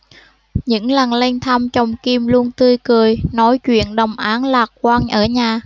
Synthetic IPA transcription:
ɲɨ̰˧˥ŋla˨˩nle˧nt̪ʰa˧mt͡ɕə˨˩wŋ͡mki˧mlu˧əŋt̪ɨ˧əjkɨ˨˩əjnɔ˨˦jt͡ɕwḭ˧˨ənɗə˨˩wŋ͡mʔaː˨˦nlaː˨˩k̚kwaː˧nʔəː˧˩ɲaː˨˩

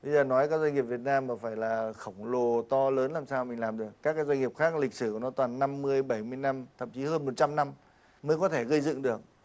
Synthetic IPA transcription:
ɓə˧jzəː˨˩nɔ˨˦jkaː˦˥k̚za˧ŋi˨˩əp̚vi˨˩ət̚naː˧mːaː˨˩faː˧˩jlaː˨˩xə˧˩wŋ͡mlo˨˩t̪ɔ˧ləː˨˦nlaː˨˩msaː˧wmï˨˩ŋ̟laː˨˩mɗɨ˨˩əkːaː˦˥kːaː˨˦jza˧ŋi˨˩p̚xaː˦˥k̚lï˨˩k̟̚sɨ˧˩ku˧˩nɔ˨˦t̪waː˨˩nːa˧mːɨ˧əjɓa˧˩jmɨ˧əjna˧mt̪ʰə̰˧˨mt͡ɕi˨˦həː˧nmo˨˩t̚t͡ɕa˧mna˧m | məː˨˦jkɔ˨˦t̪ʰe˧˩ɣə˧jzɨ̰˧˨ŋɗɨ˨˩ək̚

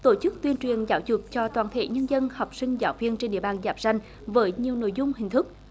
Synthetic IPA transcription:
t̪o˧˩t͡ɕɨ˦˥k̚t̪wi˧ənt͡ɕwi˨˩ənzaː˨˦wzʊ˨˩t̚t͡ɕɔ˧t̪waː˧˩nt̪ʰḛ˧˥ɲə˧nzə˧nhɔ˨˩wk͡p̚sï˧ŋ̟zaː˨˦wvi˧ənt͡ɕe˧nɗḭ˧˨əɓaː˧˨˩nzaː˨˦˥p̚za˧jŋ̟ | vəː˨˦jɲi˨˩əwno̰˧˨jzʊ˧ŋ͡mhï˨˩ŋ̟t̪ʰɨ˦˥k̚

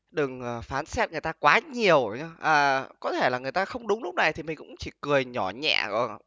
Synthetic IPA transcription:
ɗɨ˨˩ŋəː˨˩faː˨˦nsɛ˦˥t̚ŋɨ˨˩əjt̪aː˧kwaː˨˦ɲi˨˩əwʔəː˨˩kɔ˨˦t̪ʰe˧˩laː˨˩ŋɨ˨˩jt̪aː˧xə˧wŋ͡mɗʊ˨˦ŋ͡mlʊ˦˥k͡p̚na˨˩jt̪ʰi˨˩mi˨˩ŋ̟kʊ̰˧˥ŋ͡mt͡ɕi˧˩kɨ˨˩əjɲɔ˧˩ɲɛ̰ː˧˨zɔ̰˧˩˨

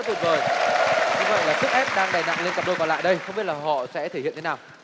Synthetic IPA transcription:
t̪i˨˩nvəː˨˩jɲʊ˧ŋ͡mvə̰˧˨jlaː˨˩sɨ˦˥k̚ʔɛ˦˥p̚ɗaː˧ŋɗaː˨˩jna̰˧˨ŋle˧nka˨˩ɗo˧˩kɔ˨˩nla̰ː˧˨jɗə˧jxə˧ŋ͡mi˦˥t̚laː˨˩ɦɔ̰˧˨sɛ̰˧˥t̪ʰe˧˩hḭ˧˨ntʰe˨˦naː˨˩w

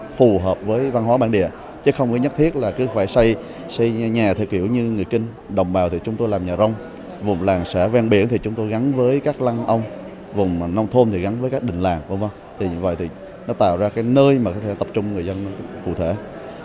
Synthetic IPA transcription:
fu˨˩ɦəː˨˩p̚vəː˨˦jva˧nɦwaː˨˦ɓaː˧˩nɗḭ˧˨ə | t͡ɕə˨˦˥xə˧wŋ͡mkɨ˨˦ɲə˦˥t̪ʰi˦˥ət̚laː˨˩kɨ˨˦faː˧˩jsa˧j | sa˧jɲaː˨˩t̪ʰɨ˨˩ək̚hḭ˧˩əwɲɨ˧ŋɨ˨˩əjkï˧ŋ̟ | ɗə̰˨˩wŋ͡mɓaː˨˩wt̪ʰi˨˩t͡ɕʊ˨˦ŋ͡mt̪o˧jlaː˨˩mɲaː˨˩zə˧wŋ͡m | vʊ˨˩ŋ͡mlaː˨˩ŋsɛ̰˧˥vaː˧nɓḭ˧˩ənt̪ʰi˨˩t͡ɕʊ˨˦ŋ͡mt̪o˧jɣa˨˦nvəː˨˦jkaː˦˥k̚la˧ŋʔə˧wŋ͡m | vʊ˨˩ŋ͡mna˧wŋ͡mt̪ʰo˧nt̪ʰi˨˩ɣa˨˦nvəː˨˦jkaː˦˥k̚ɗï˧˨ŋ̟laː˨˩ŋvə˧ŋ͡mvə˧wŋ͡mt̪ʰi˨˩ɲ˧və̰˧˨jt̪ʰi˨˩ | nɔ˨˦t̪a̰ː˧˨wzaː˧kaː˨˦jnəː˧jmaː˨˩kɔ˨˦t̪ʰt̪ə˨˩p̚t͡ɕʊ˧ŋ͡mŋɨ˨˩əjzə˧nːɔ˨˦kṵ˧˩t̪ʰḛ˧˩

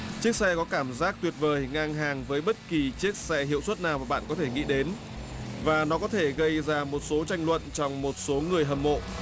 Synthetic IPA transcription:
t͡ɕɨ˦˥ək̚sɛ˧kɔ˨˦kaː˧˩mzaː˦˥k̚t̪wi˨˩ət̚vəː˨˩jŋaː˧ŋɦaː˨˩ŋvəː˨˦jɓə˦˥t̚ki˨˩t͡ɕi˦˥ək̚sɛ˧hḭ˧˨əwswə˦˥t̚naː˨˩wmaː˨˩ɓa̰ː˧˨nkɔ˨˦t̪ʰe˧˩ŋḭ˧˨ɗe˨˦n | vaː˨˩nɔ˨˦kɔ˨˦t̪ʰe˧˩ɣə˧jzaː˧˩mo˨˩t̚so˨˦t͡ɕa˧jŋ̟lwə̰˧˨nt͡ɕɔ˧wŋ͡mmo˨˩t̚so˨˦ŋɨ˨˩əjɦə˨˩mːo̰˧˨

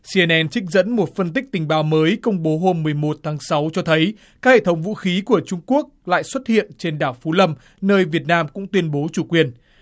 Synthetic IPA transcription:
si˧ʔɛ˧nʔɛ˧nt͡ɕï˦˥k̟̚zə̰˧˥nmo˨˩t̚fə˧nt̪ï˦˥k̚t̪ï˨˩ŋ̟ɓaː˨˦wməː˨˦jkə˧wŋ͡mɓo˨˦ɦo˧mːɨ˨˩əjmo˨˩t̚t̪ʰaː˨˦ŋsa˨˦wt͡ɕɔ˧t̪ʰə˨˦j | kaː˦˥k̚hḛ˧˨t̪ʰə˨˦ŋ͡mvṵ˧˥xi˨˦ku˧˩ət͡ɕʊ˧ŋ͡mku˦˥ək̚la̰ː˧˨jswə˦˥t̚hḭ˧˨ənt͡ɕe˧nɗaː˧˩wfu˨˦lə˧m | nəː˧jvi˨˩ət̚naː˧mkʊ̰˧˥ŋ͡mt̪wi˧ənɓo˨˦t͡ɕu˧˩kwi˨˩ən

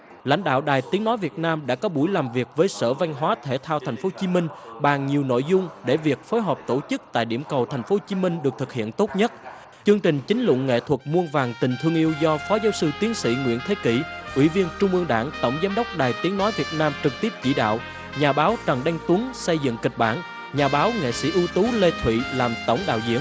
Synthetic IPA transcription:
la̰˧˥jŋ̟ɗa̰ː˧˨wɗaː˨˩jt̪i˨˦əŋnɔ˨˦jvi˨˩ət̚naː˧mɗa̰ː˧˥kɔ˨˦ɓu˧˩jlaː˨˩mvi˨˩ək̚vəː˨˦jsə̰ː˧˩va˧jŋ̟ɦwaː˨˦t̪ʰe˧˩t̪ʰaː˧wt̪ʰa˨˩jŋ̟fo˨˦t͡ɕi˨˦mï˧ŋ̟ɓaː˨˩ŋɲi˨˩əwno̰˧˨jzʊ˧ŋ͡mɗe˧˩vi˨˩ək̚foː˨˦jɦɔː˨˩p̚t̪o˧˩t͡ɕɨ˦˥k̚t̪a̰ː˧˨jɗḭ˧˩əmkə˨˩wt̪ʰjŋ̟fo˨˦t͡ɕi˨˦mï˧ŋ̟ɗɨ˨˩ək̚t̪ʰɨ˨˩k̚hḭ˧˨ənt̪o˦˥t̚ɲə˦˥t̚ | t͡ɕɨ˧əŋt͡ɕï˨˩ŋ̟t͡ɕï˨˦ŋ̟lʊ̰˧˨ŋ͡mŋḛ˧˨t̪ʰwə˨˩t̚mu˧ənvaː˨˩ŋt̪ï˨˩ŋ̟t̪ʰɨ˧əŋʔi˧əwzɔ˧fɔ˨˦zaː˨˦wsɨ˧t̪i˨˦ənsḭ˧˥ŋwḭ˧˥ənt̪ʰe˨˦ki˧˩ʔwḭ˧˩vi˧ənt͡ɕʊ˧ŋ͡mʔɨ˧əŋɗa̰ː˧˩ŋt̪ə˧˩wŋ͡mzaː˨˦mɗə˦˥wk͡p̚ɗaː˨˩jt̪i˨˦əŋnɔ˨˦jvi˨˩ət̚naː˧mt͡ɕɨ˨˩k̚t̪i˦˥p̚t͡ɕḭ˧˨ɗa̰ː˧˨w | ɲaː˨˩ɓaː˨˦wt͡ɕə˨˩ŋɗa˧jŋt̪u˨˦ŋsə˧jzɨ̰˧˨ŋkï˨˩k̟̚ɓa̰ː˧˩n | ɲaː˨˩ɓaː˨˦wŋḛ˧˨sḭ˧˥ʔu˧t̪u˨˦le˧t̪ʰwḭ˧˨laː˨˩mt̪ə̰˧˩wŋ͡mɗa̰ː˧˨wzḭ˧˥ə

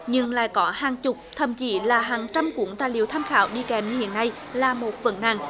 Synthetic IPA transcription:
ɲɨ˧ŋla̰ː˧˨jkɔ˨˦haː˨˩ŋt͡ɕʊ˨˩k͡p̚t̪ʰə˧˩mt͡ɕi˧˩˦laː˨˩ɦaː˨˩ŋt͡ɕa˧mkwu˧˦əŋt̪aː˧˨jlḭ˧˨əwt̪ʰaː˧mxaː˨˦wɗi˧kɛ˨˩mɨ˧hḭ˧˨ənːa˧j | laː˨˩mo˨˩t̚və̰˧˩nna̰˧˨ŋ

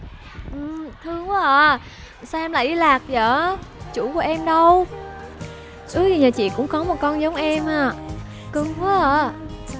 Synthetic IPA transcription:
ʔɨ˨˩mt̪ʰɨ˧əŋvu˨˧˦ʔəː˧˨ | sa˧ʔɛ˧mla̰ː˧˨jɗi˧laː˨˩k̚zəː˧˩˦t͡ɕu˧˩ku˧˩əʔɛ˧mɗə˧w | sɨ˨˦tʰi˨˩ɲaː˨˩t͡ɕḭ˧˨kʊ̰˧˥ŋ͡mkɔ˨˦mo˨˩t̚kɔ˧nzə˨˦wŋ͡mʔɛ˧mhaː˧˩ | kɨ˨˧ŋku˨˦ʔəː˧˩

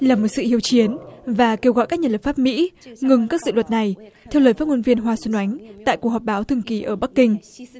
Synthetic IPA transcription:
laː˨˩mo˨˩t̚sɨ̰˧˨hi˧˨əwt͡ɕi˨˦ənvaː˨˩ke˧wɣɔ̰˧˨jkaː˦˥k̚ɲaː˧˩lə˨˩pfaː˦˥p̚mḭ˧˥ŋɨ˨˩ŋkaː˦˥k̚zsɨ̰˧˨wə˨˩t̚na˨˩jt̪ʰɛ˧wləː˨˩jfaː˦˥t̚ŋo˧nvi˧ənɦwaː˧swə˧nʔa˨˦jŋ̟t̪a̰ː˧˨jku˨˩ək̚hɔ˨˩p̚ɓaː˨˦wt̪ʰɨ˧əŋki˨˩˦ʔəː˧˩ɓa˦˥kːï˧ŋ̟

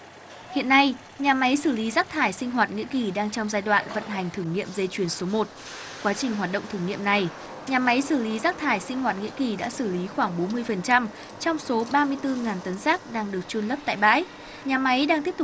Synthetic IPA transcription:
hḭ˧˨ənːa˧j | ɲaː˨˩ma˨˦jsɨ˧˩li˨˦zaː˦˥k̚t̪ʰaː˧˩jsï˧ŋ̟ɦwaː˨˩t̚ŋḭ˧˥əki˨˩ɗaː˧ŋt͡ɕɔ˧wŋ͡mzaː˧jɗwa̰ː˧˨nvə̰˧˨nɦa˨˩jŋ̟t̪ʰɨ˧˩ŋḭ˧˨əmze˧t͡ɕwi˧˩ənso˨˦mo˨˩t̚ | kwaː˨˦t͡ɕï˨˩ŋ̟ɦwaː˨˩t̚ɗə̰˧˨wŋ͡mt̪ʰɨ˧˩ŋḭ˧˨əmna˨˩j | ɲaː˨˩ma˨˦jsɨ˧˩li˨˦zaː˦˥k̚t̪ʰaː˧˩jsï˧ŋ̟hwaː˨˩t̚ŋḭ˧˥əki˨˩ɗa̰ː˧˥sɨ˧˩li˨˦xwaː˧˩ŋɓo˨˦nmɨ˧əjfə˨˩nt͡ɕa˧m | t͡ɕɔ˧wŋ͡mso˨˦ɓaː˧mɨ˧əjt̪ɨ˧ŋaː˨˩nt̪ə˨˦nzaː˦˥k̚ɗaː˧ŋɗɨ˨˩ək̚t͡ɕu˧ənlə˦˥pt̪a̰ː˧˨jɓa̰ː˧˥j | ɲaː˨˩ma˨˦jɗaː˧ŋt̪i˦˥ət̪

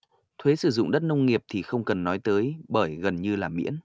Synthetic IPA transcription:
t̪ʰwe˨˦sɨ˧˩zʊ̰˧˨ŋ͡mɗə˦˥t̚nə˧wŋ͡mŋi˨˩əp̚t̪ʰi˨˩xə˧wŋ͡mkə˨˩nːɔ˨˦jt̪əː˨˦jɓəː˧˩jɣə˨˩nɲɨ˧laː˨˩mḭ˧˥ən

